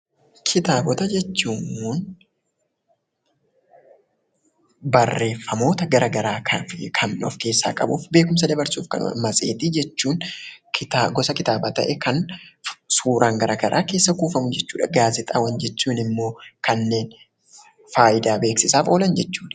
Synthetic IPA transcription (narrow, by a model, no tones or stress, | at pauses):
kʰɪt̪aːbɔt̪ɐd͡ʒɛt͡ʃːuːŋuːn | bɐrːe̞ːfːɐmo̞ːt̪ɐɡɐɾʔɐɡɐɾaːkʰɐkʰɐnɔ̰fke̞ːsːa̰ːkʼɐbuːfbe̞ːkʊms̬ɐd̪ɐbɐɾsuːfkɐ̰n̰mɐsʼe̞ːt̪ɪd͡ʒɛt͡ʃːuːnkʰɪt̪aːɡɔsɐkɪt̪aːbaːt̪ɐ̰ʔɛkɐn | suːɾʔaːŋɡɐɾʔɐɡɐɾʔa̰ːke̞ːsːɐkuːfɐmʊd͡ʒɛt͡ʃːuːᶑɐɡaːzɪt̪ʼaːwɐnd͡ʒɛt͡ʃːuːnɪmːo̞ːkɐnːe̞ːn | faːjɪd̪aːbe̞ːksɪsaːfo̞ːlɐnd͡ʒɛt͡ʃːuːᶑɐ